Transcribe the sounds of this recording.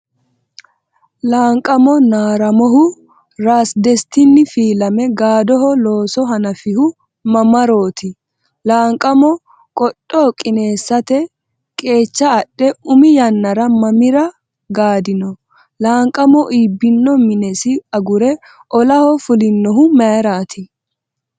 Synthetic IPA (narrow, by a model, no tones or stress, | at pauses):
laːŋkʼɐmɔnaːɾɐmɔɦʊ | ɾaːsd̪ɛst̪ɪnːɪfiːlɐmɛɡaːd̪ɔɦɔlo̞ːsɔɦɐnɐfɪhʊ | mɐmɐɾo̞ːt̪ʰɪ | laːŋkʼɐmɔ | kʼɔɗʼːɔkʼɪne̞ːsːɐt̪ɛ | kʼe̞ːt͡ʃːɐːɗɛʊmɪjɐnːɐɾɐmɐmɪɾɐ | ɡaːd̪ɪnɔ | laːŋkʼɐmɔʔiːbːɪnːɔmɪnɛsɪɐɡʊɾɛ | ʔɔlɐhɔfʊlɪnːɔɦʊmɐɾaːt̪ʰɪ